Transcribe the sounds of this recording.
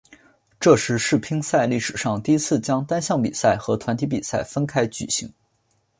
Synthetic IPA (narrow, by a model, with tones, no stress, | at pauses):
ʈ͡ʂɤ˥˩ʂɻ̩˧˥ʂɻ̩˥˩pʰi˥ŋsa˥˧ɪli˥˩ʂɻ̩˨˩ʂɑ˥˧ŋt̪i˥˩i˥t͡sʰɹ̩˥˩t͡ɕjɑ˥ŋt̪a˥nɕjɑ˥˩ŋpḭ˨˩sa˥˩ɪxɤ˧˥t̪ʰwa˧˥nt̪ʰi˧˥p̬i˨˩sa˥˩ɪfə˥nkʰa˥ɪt͡ɕy̰˨˩ɕḭ˧˥ŋ